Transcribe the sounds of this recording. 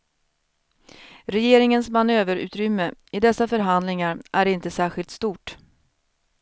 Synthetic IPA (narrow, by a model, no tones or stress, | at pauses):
ɾɛjeːɾɪŋənsmanøːvəɾʉ̟̰ːt̪ɾʏmːəɪd̪ɛsːafœɾɦand̪lɪŋaɾʔæɾɪnt̪əsæːɧɪlt̪st̪uːʈ